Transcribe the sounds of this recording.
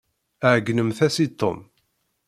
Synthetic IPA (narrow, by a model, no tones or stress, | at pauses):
əʕɡːnəmθæsit̪ˤːo̰m